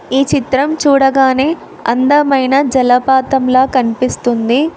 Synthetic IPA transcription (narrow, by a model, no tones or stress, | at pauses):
iːt͡ʃit̪ɾɐmt͡ʃuːɽɐɡaːneː | ɐ̰nd̪ɐmɐjnɐd͡ʒɐlɐpaːt̪ɐmlaːkɐnipist̪und̪i